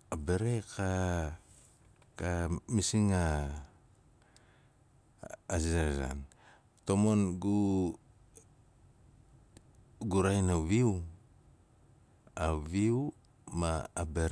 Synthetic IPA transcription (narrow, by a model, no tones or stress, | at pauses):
abeɾeka | kamisiŋa | zaza̰n | tomonɡu | ɡuɾajnaβiw | aβiw | maːbeɾ